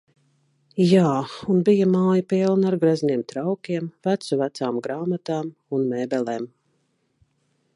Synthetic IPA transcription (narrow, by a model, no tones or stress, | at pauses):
jaːunbijamaːjapilˠnaɾɡɾazʲnʲiɛmt̪ɾawkʲiɛmvæt̪suvæt̪saːmɡɾaːmat̪aːmunmɛːbɛlˠeːm